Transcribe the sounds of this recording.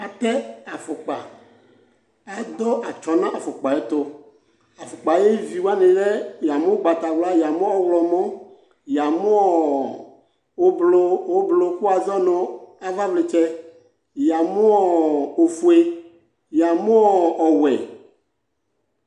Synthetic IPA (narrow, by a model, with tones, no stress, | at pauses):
a˨pɛ˦a˨fʊ˨k͡pa˨ | a˨d̪ɔ˦ʔa˨t͡ʃɔ˨nã˦ʔa˨fʊ˨k͡pa˨je˦t̪o˦ | a˨fʊ˨k͡pa˨je˦vi˨wa˦nẽ˨ɖɛ˦ja˨mo˦ɡ͡ba˨t̪a˨wla˦ja˨mõ˦ɔ˦wlɔ˨mɔ̃˦ | ja˨mo˦ɔ˦˨ | o˦blo˦wo˦blo˨ku˦a˨zɔ˦nõ˨a˨va˦ble˨t͡ʃɛ˦ | ja˨mõ˦ɔ˦o˨fu˨e˦ | ja˨mõ˦ɔ˦ɔ˨wɛ̰˨